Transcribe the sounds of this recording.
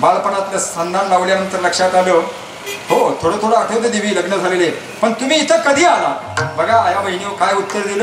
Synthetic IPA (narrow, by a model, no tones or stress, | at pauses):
balpənat̪ləst̪ʰənd̪ʱanlaʋljanənt̪əɾləkʂat̪abo | hot̪ʰoɽət̪ʰoɽəaʈʰet̪ed̪iʋ̤iːləɡnəd͡zʱalele | pəɳt̪umiːt̪əkəd̪ʱiːaɦa | bəɡʱaːjabəɦinjiʋkajut̪ːəɾd̪ilə